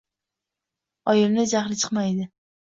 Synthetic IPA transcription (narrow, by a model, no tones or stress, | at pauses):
ɒjɪlnɪd͡ʒaχlɪt͡ʃʰɨ̥qmajd̪ɪ